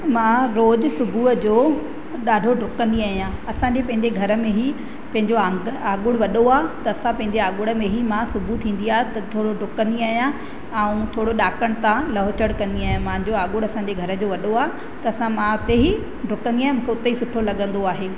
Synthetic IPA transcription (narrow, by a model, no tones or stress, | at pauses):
mãɾoːd͡ʑsʊbʱuəd͡ʑoː | ɗaːɖʱoɖʊkə̃nd̪iaːɦijãɐsãɲd͡ʑepɐ̃ɦɪ̃ɲd͡ʑeɡʱɐɾə̆mẽɦi | pɐ̃ɦɪ̃ɲd͡ʑoãɡəaːɠʊɽʋɐɗoaːɦet̪ɐːsãpɐ̃ɦɪ̃ɲd͡ʑeaːɠʊɽə̆mẽɦimãsʊbʱut̪ʰĩːnd̪iaːɦet̪ɐt̪ʰoːɽoɖʊkə̃nd̪iaːɦijã | ɐũt̪ʰoːɽoɗaːkəɽ̃t̪ãlɐɦot͡ɕəɽkɐ̃nd̪iaːɦijãmãːɲd͡ʑoaːɠʊɽɐsãːɲd͡ʑeɡʱɐɾə̆d͡ʑoːʋɐɗoaːɦe | t̪ɐɐsãmãʊt̪eɦi | ɖʊkə̃nd̪iaːɦẽmũːkʰeʊt̪eɦisʊʈʰolɐɠə̃nd̪oaːɦeː